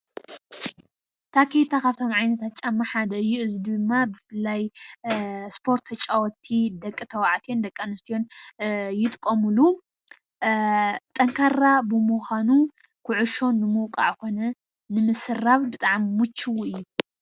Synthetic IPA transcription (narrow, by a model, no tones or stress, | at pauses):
t̪ʰakʰit̪ʰakʰaβt̪ʰo̞mʕajnɐt̪ʰat̪t͡ʃʼamːaħad̪ɐɨjːuɨzid̪ɨmːabɨfɨlːaj | spʰo̞ɾt̪ːʰɐt͡ʃʼawɔt̪ʰid̪ɐkʼːɨt̪ʰɐwaʕt̪ʰond̪ɐkʼːanɨst̪ʰijo̞njɪt̪ʼkʼːɐmɨlu | t̪ʼɐŋkʰaɾabɨmuxanu | kʰʊʕʊʃo̞nːɨmɨwkʼaʕɨko̞nɐ | nɨmɨsɨraβbɨt̪ʼaʕmːut͡ʃʰːiwuɨjːu